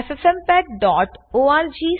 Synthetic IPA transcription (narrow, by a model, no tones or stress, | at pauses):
fesɛmpɛːʈ̚ɖɔːʈoaːɾd͡ʒiː